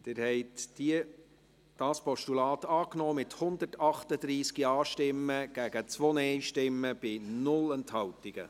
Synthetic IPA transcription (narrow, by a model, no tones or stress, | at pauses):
d̥ɪːɾhɛɪtd̥iə | d̥ɑːspɔʃtulɑːtɑːknɔːmɪthʊnd̪ərtɑχt̪əd̪̥ɾiːskiɑːʃtɪmːəɡ̥æɡət͡sʋɔnɛɪʃtɪmːəb̥ɪnʊlɛnt̪hɑwtɪɡ̥ə̰